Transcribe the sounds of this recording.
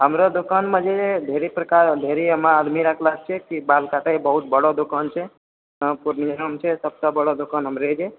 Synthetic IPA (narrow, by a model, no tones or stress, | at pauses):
ɦəmɾod̪ʊkanmãd͡ʒed̪ʱeɾipɾəkaɾd̪ʱeɾiəmãːd̪miɾakʰlak̚t͡ʃʰekibalkaʈ̪aibəɦut̪̚bəɽod̪ʊkant͡ʃʰe | puɾniɾəmt͡ʃʰesəb̚t̪abəɽod̪ʊkanɦəmɾed͡ʒe